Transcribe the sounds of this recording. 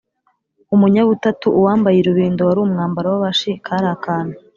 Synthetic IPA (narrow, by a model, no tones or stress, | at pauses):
umuɲaβutatuːwaːmbajiɾuβiːnduwaɾuːmŋaːmbaɾawaβaʃikʰaːɾaːkaːna